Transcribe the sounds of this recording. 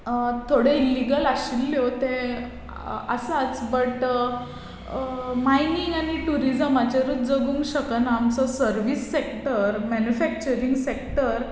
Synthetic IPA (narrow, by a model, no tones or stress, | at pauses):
t̪ʰoɽeilːiɡəlaɕilːjot̪ẽ | ə̰sat͡sbəʈ | mainiŋɡañiʈuɾid͡zəmat͡ɕaɾut̪d͡zəɡuːŋkɕəknaːmt͡sɔsəɾʋisːekʈəɾmɛnjufɛk̚t͡ɕəɾiŋɡsekʈəɾ